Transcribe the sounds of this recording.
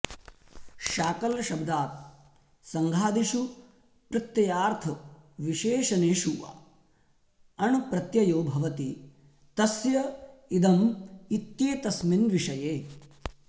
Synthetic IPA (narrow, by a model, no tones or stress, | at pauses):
ʃaːkɐlʃɐbd̪aːt̪̚ | sɐŋɡʱaːd̪iʃu | pɾɨt̪jɐjaːɾt̪ʰɐʋiʃeːʃɐneːʃuʋa̰ | ɐɳupɾɐt̪jɐjoːbʱɐʋɐt̪i | t̪ɐsjɐid̪ɐmit̪jeːt̪ɐsminʋiʂɐjeː